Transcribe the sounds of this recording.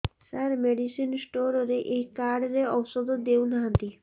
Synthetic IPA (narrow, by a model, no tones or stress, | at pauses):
saɾmeɖisinsʈoɾɔɾeʔeɦikaɾɽɾeɔwsɔd̪ɔd̪ewnaɦant̪i